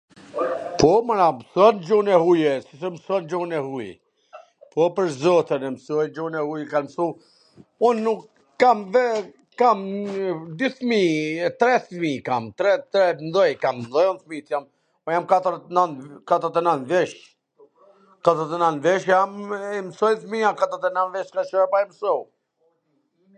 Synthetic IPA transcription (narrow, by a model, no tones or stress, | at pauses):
pɔmanamsuand͡ʒunɛhujɛsisɛmsuand͡ʒunɛhujɛ̰ | pɔpəɾzɔt̪ənɛmsuɛnd͡ʒunɛhujɛkanmsu | unːukː | amvɛ | kam | d̪yθmit̪ɾɛθmikamt̪ɾɛt̪ɾɛnd̪ɔjkamnd̪ɔjunθmit̪jam | ɔjamkat̪əɾnant̪kat̪əɾt̪ɛnant̪vɛʃ | kat̪əɾt̪ɛnant̪vɛʃjammsɔjθmiakat̪ɔɾt̪ɛnanvɛʃkat͡ʃɔɛpajmsɔw